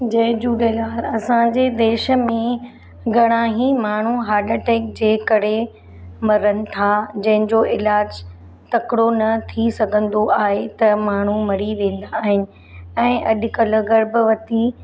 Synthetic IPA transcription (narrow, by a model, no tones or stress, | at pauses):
d͡ʑɐɦd͡ʑuːɖelaːlɐsãd͡ʑeːd̪eːʃə̆mẽ | ɡʱɐɽ̃ãːɦimaːɳ̤uɦaːɾɖəʈeːk̚d͡ʑeːkɐɽe | mɐɾənɪ̆t̪ʰad͡ʑɐ̃ɦɪ̃ɲd͡ʑoːɪlaːd͡ʑ | t̪ɐkɽonɐt̪ʰisɐɡʱə̃nd̪oʔaːɦet̪ɐmaːɳ̤umɐɽ̤iʋẽːn̆d̪aːɦɪnɪ̆ | ɛ̃ːʔɐɗkɐlə̆ɣɐɾbʋɐt̪i